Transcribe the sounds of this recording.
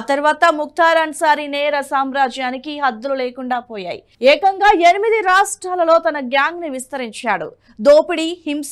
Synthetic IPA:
t̪ɐɾuʋaːt̪ɐmuk̚t̪ʰaːɾaːnsaːɾinɛːɾɐsaːmɾaːd͡ʒjaːnikiɦɐd̪ːululeːkuɳɖaːpoːja̰ːjḭ | ɛːkɐŋɡaːenimid̪iɾaːʂʈɾaːlɐlo̞ːt̪ɐnɐɡjaːŋɡniʋist̪ɐɾiɲt͡ʃaːɽṵ | d̪oːpiɽihims

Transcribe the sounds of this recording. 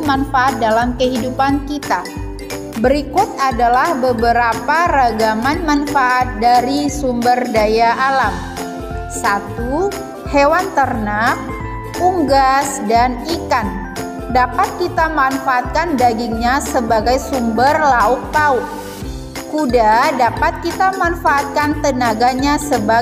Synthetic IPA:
manfaʔat̪̚dalamkəɦidupankit̪a | bəɾikut̪̚adalahbəbəɾapaɾaɡamanmanfaʔat̪̚daɾisumbərdajaʔalam | sat̪u | hewant̪ərnak̚ | uŋɡasdanikan | dapat̪̚kit̪amanfaːt̪̚kandaɡiŋɲasəbaɡajsumbərlaʊk̚paʊk̚ | kudadapat̪̚kit̪amanfaːt̪̚kant̪ənaɡaɲasəba

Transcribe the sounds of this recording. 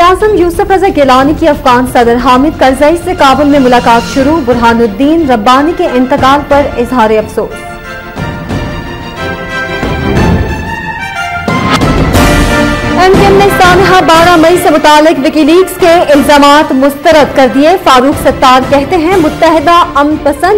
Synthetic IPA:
aːzəmjuːsʊfɐzəɾɡelaːnikiɐfɣaːnsɐd̪ɾɦaːmɪd̪̚kɐɾzaisekaːbɪlmẽmʊlaːkaːt̪ʃʊɾubʊɾɦaːnʊd̪ːiːnɾɐbːaːnikeʔɪ̃nt̪ɪqaːlpɐɾɪzɦaːɾeɐfsoːs | ɛmkemnesaːnɪɦabaːɾamɐisemʊt̪aːlːɪkʋɪkiliːkskeɪlzaːmaːt̪mʊst̪əɾəd̪kɐɾd̪iefaːɾuːksɐt̪ːaːɾkɛɦt̪eɦɛ̃mʊt̪ːəɦɪd̪aɐmnpɐsə̃nd̪

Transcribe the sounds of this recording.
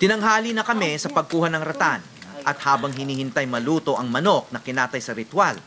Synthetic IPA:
t̪ɪnɐŋɦaːlinɐkɐmɛsɐpɐɡ̚kuːhɐnɐŋɾɐt̪anʔɐt̪haːbɐŋɦɪniːhɪnt̪ajmɐluːt̪o̞ʔɐŋmɐno̞k̚nɐkɪnaːt̪ɐjsɐɾɪt̪wal

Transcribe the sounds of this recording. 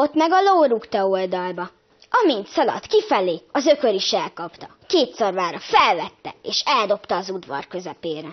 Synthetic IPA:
ot̪ːmɛɡɒloːɾukt̪ɒold̪ɒlbɒ | ɒmint̪sɒlɒ̰t̪kifɛleːɒzø̞kø̞ɾiʃɛlkɒpt̪ɒ | keːt̪sɒrvaːɾɒfɛlvɛt̪ːɛ̰eːʃɛld̪o̞pt̪ɒːzud̪vɒ̰rkø̞zɛpeːɾɛ

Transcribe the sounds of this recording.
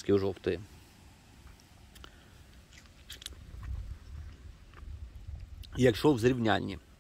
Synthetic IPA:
sʲkʲiʊʒɔwt̪ɪ | jɐkʃɔwzɾʲiwnʲanʲːḭ

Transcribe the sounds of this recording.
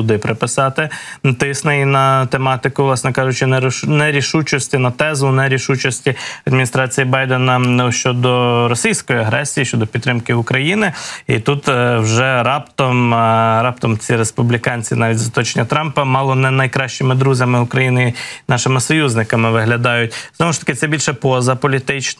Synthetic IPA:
ud̪ɪpɾɪpɪsɑt̪ɪt̪ɪsnɐinɐt̪emɑt̪ɪkʊʋlˠɑsnɛkɑʒʊt͡ʃɪnɛnɛɾʲiʃut͡ʃɔsʲtʲinɐt̪ɛzʊnɛɾʲiʃut͡ʃɔsʲtʲiɐd̪mʲinʲist̪ɾɑt͡sʲijibɑjd̪enɐʃt͡ʃɔd̪ɔɾɔsʲijsʲkɔjiɐɦɾɛsʲijiʃt͡ʃɔd̪ɔpʲid̪ːɾɪmkɪʊkɾɐjinɪḭt̪ut̪wʒɛɾɑpt̪ɔmɾɑp̚t̪ɔmt͡sʲiɾespublʲikɑnʲt͡sʲinɑʋʲitʲzɐt̪ɔt͡ʃenʲɐt̪ɾɑmpɐmɑlˠɔnɛnɐjkɾɑʃt͡ʃɪmɪd̪ɾuzʲɐmɪʊkɾɐjinɪinɑʃɪmɪsɔjuzʲnɪkɐmɪʋɪɦlʲɐd̪ɑjʊt̚ʲznɔʋʊʃt̪ɐ̥kɪt̪sɛbʲilʲʃɛpɔzɐpɔlʲit̪ɪt͡ʃn

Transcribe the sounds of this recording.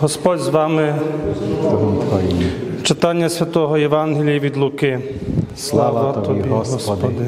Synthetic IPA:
ɦɔspɔdʲzʋɑmɪ | t̪jt͡ʃɪt̪ɑnʲːɐsʲʋʲɐt̪ɔɦɔjɛʋɑnɦelʲijiʋʲid̪lˠʊkɪ | slˠɑʋɐt̪ɔiɦɔspɔd̪ɪ

